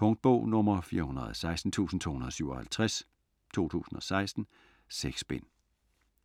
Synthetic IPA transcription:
pʰɔ̽ŋd̥̚b̥ɔʊ̰nɔ̽mɐfiːɐhunɐð̩ˠɒsɑ̈ɪsd̥n̩t͡sʰṵːsn̩t͡sʰo̝̰ːhunɐðˠɒsyʊɒ̽hælt͡sʰʁɛs | t͡sʰo̝̰ːt͡sʰṵːsn̩ɒ̽sɑ̈ɪsd̥n̩ | seɡ̥sb̥en̰

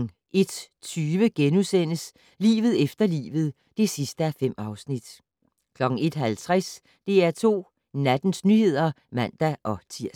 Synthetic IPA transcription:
ʔe̝d̥t͡sʰyːʋəɡ̥enusen̰əs | lḭːʋð̩ˠefd̥ɐlḭːʋð̞̩ˠ | d̥e̝sisd̥əæfem̰ɑ̈ʊsnid̥ | kʰlɒ̽ɡ̥ŋ̩e̝d̥ɦælt͡sʰʁas | d̥e̝æɐt͡sʰo̝̰ː | næd̥n̩snyhe̝ð̞̰ˠɐmæn̰d̥æʔɒ̽t͡sʰiɐ̰

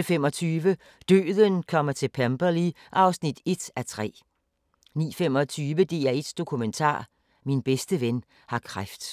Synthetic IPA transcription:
əfemɒ̽t͡sʰyːʋə | d̥ø̰ːðˠənkʰɒ̽m̰ɐt͡sʰe̝lpʰæmb̥ɐliʔɑ̈ʊsnid̥e̝d̥æt͡sʰʁɛ̰ː | nḭːfem̰ɒ̽t͡sʰyːʋəd̥e̝̰ːæed̥sd̥o̝kʰument͡sʰɑ̰̈ː | minb̥esd̥əʋen | hɑ̈kʰʁafd̥

